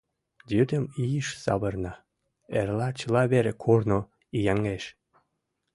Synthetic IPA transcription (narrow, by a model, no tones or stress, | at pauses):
d̪ʲyd̪əmijəʃsɑ̰βərnɑ | erlɑt͡ɕəlɑβeɾekʰorno | ijɑŋɡeʃ